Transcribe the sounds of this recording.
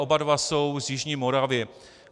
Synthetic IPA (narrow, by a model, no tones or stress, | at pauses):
ʔobadvasowzjɪʒɲiːmoɾavɪɪ